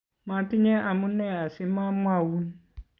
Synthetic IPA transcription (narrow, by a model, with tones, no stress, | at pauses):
mã˨tɪ˦ɲɛ̃˦ʔa˨mʊ̃˦nɛ̃˦˨a˨sɪ˦mã˦mʊ̃˦a˨wu˦n˦